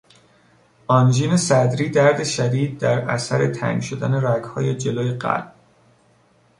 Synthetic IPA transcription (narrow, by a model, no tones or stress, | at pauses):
ɒnd͡ʒiːne̞sæd̪ɾiːd̪æɾd̪e̞ʃæd̪iːd̪̚d̪æɾæ̰sæɾet̪ʰæ̰ŋɡʃod̪æne̞ɾæɡhɒ̰ːjed͡ʒe̞loːjeɢæ̰lb̥̚